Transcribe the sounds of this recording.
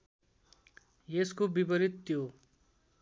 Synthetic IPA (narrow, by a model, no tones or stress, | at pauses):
jeskobibʌɾit̪ːjo